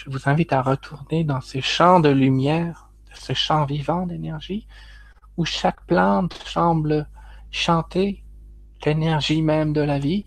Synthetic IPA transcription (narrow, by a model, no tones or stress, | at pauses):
ʒ̥əvuzɛ̃vit̪aʁət̪ʰuʁned̪ɑ̃seʃɑ̃d̪əlymjɛːʁ | d̪̥əsəʃɑ̃vivɑ̃d̪enɛʁʒi | uʃakplɑ̃t̪sɑ̃bləʃɑ̃t̪e | lenɛʁʒimɛmd̪əlavi